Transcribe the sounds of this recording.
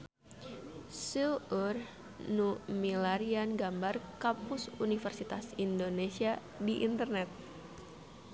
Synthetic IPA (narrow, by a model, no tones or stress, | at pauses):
suur | numilaɾianɡambarkapusunifərsit̪asindonesia | diʔint̪ərnɛt̪̚